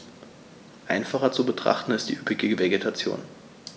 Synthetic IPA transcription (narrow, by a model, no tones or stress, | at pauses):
ʔaɪnfaχɐt͡subətʁ̥a̰χtn̩ɪst̚d̥ḭːʔypɪɡəɡəveɡetʰat͡sjo̰ːn